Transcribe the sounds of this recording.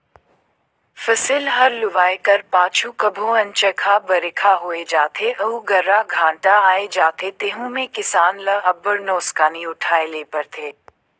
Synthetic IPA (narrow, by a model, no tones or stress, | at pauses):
fɐsɪlɦɐɾlʊʋaːekɐɾpaːt͡ʃʰukɐbʱõɐ̃nt͡ʃɐkʰabɐɾɪkʰaɦoːed͡ʒaːt̪ʰeʔɐuɡɐɾːaɡʱãːʈaaːed͡ʒaːt̪ʰet̪eːɦũmẽkɪsaːnləɐbːəɾnoːskaːnĩʊʈʰaːeleːpɐɾt̪ʰeː